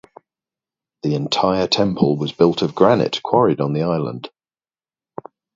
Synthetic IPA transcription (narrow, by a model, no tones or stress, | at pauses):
ðiɪ̃ntʰaɪətʰɛ̃mpʰəlˠwɒzbɪlˠtʰəvɡɹanɪ̰ʔkʰw̥ɒɹɪdn̩ðiaɪlə̰̃nd̥